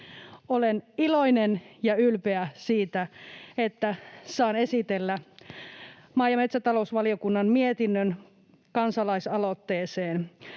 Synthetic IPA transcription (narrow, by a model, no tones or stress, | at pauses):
oleniloinenjɑylpeæsiːt̪æet̪ːæsɑːnesit̪elːæ | mɑːjɑmet̪sæt̪ɑlousʋɑliokunːɑnmiet̪inːøn | kɑnsɑlɑisɑlot̪ːeːseːn